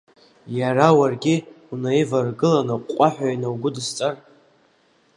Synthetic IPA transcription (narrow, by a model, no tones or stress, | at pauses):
jarawarɡʲi | unajvarɡɨlanaqʷʼaħʷᶣajnawɡʷʊdɨst͡sʼar